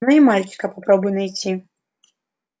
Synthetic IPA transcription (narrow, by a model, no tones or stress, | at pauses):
nɨimalʲkʲi̥kɐpːapɾɔbɨjnajt͡sʲi